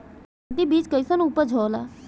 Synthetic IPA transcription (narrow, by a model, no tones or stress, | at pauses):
t̪ibiːt͡ʃkəisɐnupəd͡ʒʱɔːla̰ː